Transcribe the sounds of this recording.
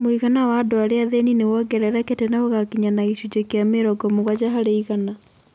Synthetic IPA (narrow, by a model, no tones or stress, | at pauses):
moiɣanawaːdoaɾeaðeninewɔɡɛɾɛɾaketɛnaoɣakiɲanaɣiɕud͡ʑekeameɾɔɡɔmoɣwad͡ʑaɦaɾeiɣana